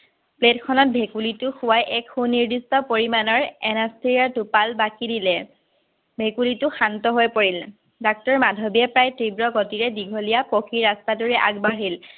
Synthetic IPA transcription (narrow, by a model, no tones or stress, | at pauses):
pletkʰɔnɔt̚bʱekulitʊxʊwajʔɛkxuniɹdistɔpoɹimanɔɹɛnastʰiɹiaɹtupalbakidilɛ | bʱekulitʊxantɔɦojpoɹil | dak̚tɔɹmadʱɔbiɛpɹajtɹibɹɔɡɔtiɹɛdiɡʱolijapokiɹastaduɹɛʔaɡbaɹɦil